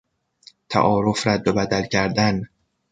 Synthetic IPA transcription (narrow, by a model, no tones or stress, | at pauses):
t̪ʰæ̰ʔɒːɾofɾæd̪ːobæd̪ælcʰæɾd̪æn